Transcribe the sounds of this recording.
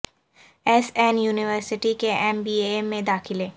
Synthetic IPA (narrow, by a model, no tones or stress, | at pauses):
ɛːsɛːnjuːnɪʋəɾsɪʈikeɛmbiːemẽd̪aːxɪleː